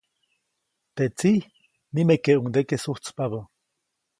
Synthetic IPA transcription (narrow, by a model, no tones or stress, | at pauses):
t̪et͡si | nimekeʔuŋd̪ekesuht͡spaβa